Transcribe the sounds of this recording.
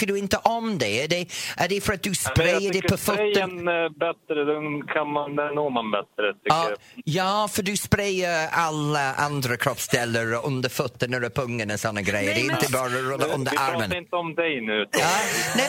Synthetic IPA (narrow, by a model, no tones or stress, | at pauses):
kədʉɪnt̪əʔɔmd̪eəd̪ɛʔədefəɾat̪̚d̥̪ʉspɾejədɛpʰɔfʊt̪ːəɛnnbɛt̪ɾəd̪ɛnkʰanmand̪ɛnoːmanbɛt̪ɾət̪ʰʏ | jɑːfədʉspɾeɪəaləʔa̰nd̪ɾəkʰɾ̥ɔpsd̥̪ɛləɹʔʊnd̪əfʊt̪ːənəɾəpʰɵŋːənɔsɔnːəɡɾejədɛɪnt̪əbɑːɾəɹʊlːəʔʊnd̪əʔaɾmənɪnt̪əɔmd̪ɛjnʉːt̪anɛ